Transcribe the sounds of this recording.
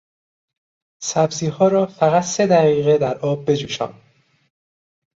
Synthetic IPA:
sæbziːɦɒːɾɒːfæɣæt̪se̞d̪æʁiːɣed̪æɾʔɒːb̚ːe̞d͡ʒuːʃɒ̰ːn

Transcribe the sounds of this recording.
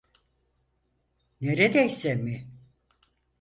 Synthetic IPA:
neɾed̪ɛjsemi

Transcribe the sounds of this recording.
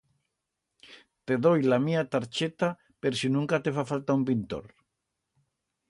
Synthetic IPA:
t̪eðojlamiat̪aɾt͡ʃet̪a | peɾsinũŋkat̪efafalt̪aumpint̪o̰ɾ

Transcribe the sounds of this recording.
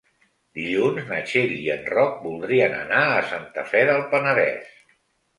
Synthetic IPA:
d̪iʎunznət͡ʃeʎiənrɔk̚bulˠd̪ɾiənə̰naəsant̪əfɛðəlˠpənəðɛ̰s

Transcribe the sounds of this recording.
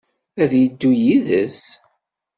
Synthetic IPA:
æðjəd̪ːujiðəs

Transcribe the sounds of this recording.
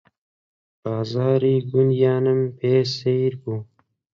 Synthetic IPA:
baːzɑːɾiːɡunjaːnɐmpeːseɾɡu

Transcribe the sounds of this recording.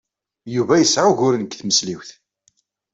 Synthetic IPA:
juvæjəsʕuʝʊɾnkθməsliwθ

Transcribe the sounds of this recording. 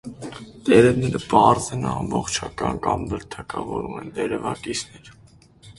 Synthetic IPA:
t̪ɛɾɛvnɛɾəpɑɾzɛnɑmbɔχt͡ʃʰɑkɑnkɑmbəɾt̪ʰɑkɑvɔɾumɛnt̪ɛɾɛvɑkisʰnɛɾ

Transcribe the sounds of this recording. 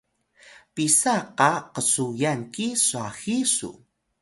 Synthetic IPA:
pisaqɑqəsujaŋkisuaxisṵ

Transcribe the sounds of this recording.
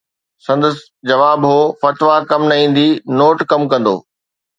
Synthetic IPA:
sɐ̃nd̪əs | d͡ʑɐʋaːbɦoːfɐt̪ʋakɐmnɐĩːn̆d̪inoːʈkɐmkɐ̃n̆d̪o̰ː

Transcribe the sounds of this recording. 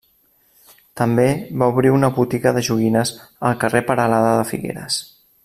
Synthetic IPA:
t̪əmbeβauβɾiunəβut̪iɣəðəʒuɣinəzəlˠkərepəɾəlaðəðəfḭɣḛɾə̰s

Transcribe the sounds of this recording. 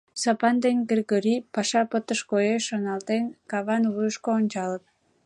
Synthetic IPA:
sɑpɑnd̪enʲɡerɣoɾipɑʃɑpət̪əʃkojeʃːonɑlt̪enkɑβɑnvujəʃkoːnʲt͡ɕɑləp̪̚

